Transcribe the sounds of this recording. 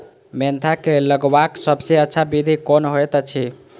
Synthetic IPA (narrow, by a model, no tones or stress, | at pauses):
ment̪ʰakeləɡbaksəbseətːʃʰabid̪ʱikonɦojt̪t͡ʃʰi